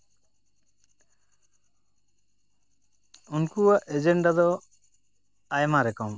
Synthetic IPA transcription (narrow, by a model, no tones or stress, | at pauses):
unkuaʔed͡ʒeɳɖad̪ɔ | ajmaɾɛkɔm